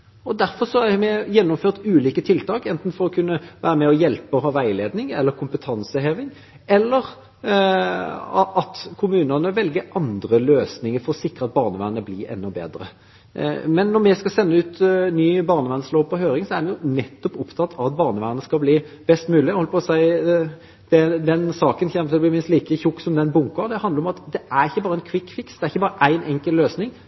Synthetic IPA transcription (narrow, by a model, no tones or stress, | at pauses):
ɔd̪æɾfɔʁsɔæmɛjɛnːɔmføːʁt̪ʉːliːkət̪ʰɪlt̪ʰɑːkɛnt̪n̩fɔɾɔkʰʉnːəʋæːɾəmɛɔjɛlpəɔɦɑːʋæɪleːd̪nɪŋɛlːəɾkʰʊmpət̪ʰɑnsəɦeːʋɪŋ | ɛlːəɾ | ʔɑt̪kʰʊmʉːnənəʋɛlɡəɾʔɑnd̪ɾəløːsnɪŋəɾfɔɾɔsɪkɾəɑt̪̚bɑːʁnəʋæːnəblɪɛ̰nːɔbḛːd̪ɾə̰ | mɛnːɔɾmɛskɑsɛnːəʉːt̪nyːbɑʁnəʋæːnəsloːpɔɦøːɾɪŋsɔæɾdɛnjʊnɛt̪ːɔpʊpt̪ʰɑt̪ːʰɑʋɑt̪̚bɑːʁnəʋæːənəskɑlbliːb̥ɛst̪mʉːlɪɛhɔləpʰɔsæɪ | d̪̥ɛd̪ɛnsɑːkənçɛmːət̪ɪlɔblɪmɪnst̪liːkəçʊkːsɔmd̪ɛnbʊŋkəʁd̪ɛhɑnd̪ɾɔmɑt̪d̪ɛæɾɪçːəbɑːɾəæɛnkʰʋɪkːfɪksd̪ɛæɾɪçːəbɑːɾəʔæɪnɛŋkəlløːsnɪŋ